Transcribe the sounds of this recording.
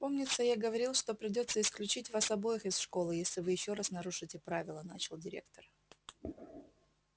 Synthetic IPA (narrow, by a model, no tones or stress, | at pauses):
po̞mnʲɪt̪səjaɡəvɐɾʲilˠʂt̪o̞pɾʲɪdʲo̞t̪sːəɪsklʲʉt͡ɕitʲvɐsɐbo̞jɪxɪsʂko̞lˠɨjesʲlʲɪvɨjɪɕːo̞ɾasnɐɾuʂɨtʲɪpɾavʲɪlˠənat͡ɕɪlˠdʲɪɾʲe̞̰kt̪ər